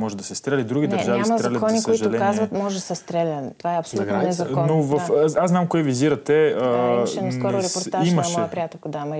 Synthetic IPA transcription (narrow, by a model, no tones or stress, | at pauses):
mɔʒɛd̪ɐsɛst̪ɾɛlʲid̪ɾuɡʲid̪ɐɾɛɾʒavimɾɛlɐkɔnisk̪iʒɐʊlɛkazvɐt̪mɔʒsɛst̪ɾɛlʲənt̪ovaɛɐpsolɡ̪aɛzɐnovəfasznamkoɛviziɾɐt̪ɛəkɔɾɾɛpoɾaimɐʃmɔɛjəpɾijat̪ɛltkod̪amɐ